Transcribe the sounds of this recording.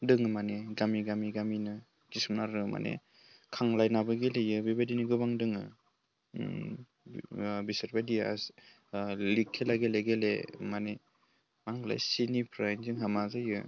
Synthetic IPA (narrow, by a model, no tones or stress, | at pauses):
dɯŋɯmaneɡamiɡamiɡaminɯ | kisɯmnaɾɯma̰nḛ | kʰaŋlajnabɯɡelejɯbibajdiniɡɯbaŋdɯŋɯ | bisaɾbajdia̰s | likʰːelaɡeleɡelḛmane | maŋɡla̰jsinipʰɾajnzɯŋɦamazajɯ̰